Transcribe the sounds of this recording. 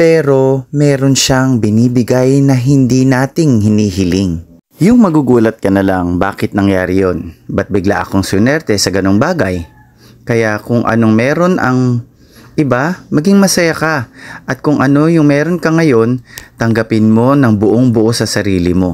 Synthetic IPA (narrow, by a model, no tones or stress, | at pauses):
pɛːɾo̞mɛːɾo̞nʃaŋbɪniːbɪɡajnɐɦɪnd̪inaːt̪ɪŋhɪniːɦɪlɪŋ | jʊŋmɐɡuɡuːlɐt̪̚kɐnɐlaŋba̰ːkɪt̪̚nɐŋjaːɾɪjonbɐt̪̚bɪɡla̰ʔɐ̰ko̞ŋsʊnɛɾt̪ɛsɐɡɐno̞ŋbaːɡɐj | kɐjakʊŋʔɐ̰no̞ŋmɛːɾo̞nʔɐŋ | ʔɪbamɐɡiŋmɐsɐjakɐʔɐt̪̚kʊŋʔɐno̞jʊŋmɛːɾo̞nkɐŋɐjo̞nt̪ɐŋɡɐpɪnmo̞nɐŋbʊʔoŋbʊʔo̞sɐsɐɾiːlɪmo̞